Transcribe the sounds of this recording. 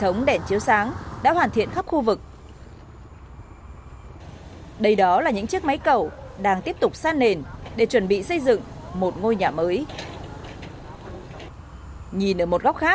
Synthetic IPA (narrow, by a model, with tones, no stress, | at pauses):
t̪ʰə˨˦wŋ͡mɗɛ˧˩nt͡ɕi˨˦əwsaː˨˦ŋɗa̰ː˧˥hwaː˨˩nt̪ʰḭ˧˨ənxa˦˥p̚xu˧vɨ˨˩k̚ | ɗə˧jɗɔ˨˦laː˨˩ɲɨ̰˧˥ŋt͡ɕi˦˥ək̚ma˨˦jkə˧˩wɗaː˧ŋt̪i˦˥əp̚t̪ʊ˨˩k͡p̚saː˧nːe˨˩nɗe˧˩t͡ɕwə˧˩nɓḭ˧˨sə˧jzɨ̰˧˨ŋmo˨˩t̚ŋo˧jɲaː˨˩məː˨˦j | ɲi˨˩nʔəː˧˩mo˨˩t̚ɣɔ˦˥k͡p̚xaː˦˥